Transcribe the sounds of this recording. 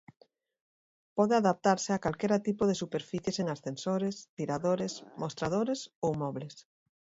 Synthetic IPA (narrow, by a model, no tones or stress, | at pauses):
pɔðeaðap̚t̪aɾsɪakalkɛɾat̪ipoðesupeɾfiθjeseŋasθensoɾest̪iɾaðoɾesmʔost̪ɾað̞oɾesowmɔβles